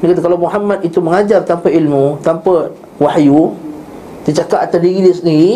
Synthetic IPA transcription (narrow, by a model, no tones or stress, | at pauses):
əkat̪̬akalawmuɦamãt̪it̪uməŋad͡ʒart̪ampailmũt̪ampa | wahju | d̪ət͡ʃakaʔat̪adiɾidisəniɾi